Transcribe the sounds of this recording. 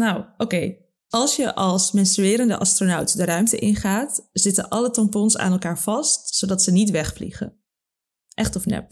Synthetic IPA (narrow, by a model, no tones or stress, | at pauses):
nawokej | ʔɑlˠsjəʔɑlˠsmɛnstryɪːɾəndə̰ʔɑstronawtdərœɥmtəʔɪnχaːtz̥ɪtənʔɑlətɑmpɔnsa̰ːnɛlˠkaːɹv̥ɑstsodɑtsənitʋɛχflḭχə̰ | ʔɛχtɔfnɛ̰p